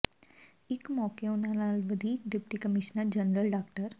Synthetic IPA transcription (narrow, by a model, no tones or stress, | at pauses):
ikmɔkeonanalʋəd̪ʱiːkɖipʈikəmiʃnəɾd͡ʑənɾəlɖakʈəɾ